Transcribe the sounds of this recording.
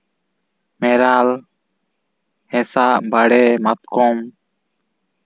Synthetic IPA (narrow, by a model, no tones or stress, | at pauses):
mɛɾal | hɛsaʔbaɽɛmat̪̚kɔm